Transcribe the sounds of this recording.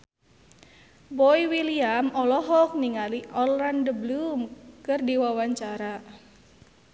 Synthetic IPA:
bɔiwiliamɔlɔɦɔk̚niŋaliʔɔlɾandəblumkɨrdiwawaɲt͡ʃaɾa

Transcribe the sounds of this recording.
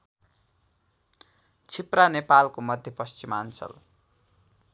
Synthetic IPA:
t͡sʰipranepalkomʌd̪ʱjepʌst͡simant͡sʰʌ̰l

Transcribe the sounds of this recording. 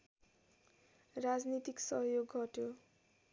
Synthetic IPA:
rad͡znit̪iksʌɦjoɡːʱʌʈjo

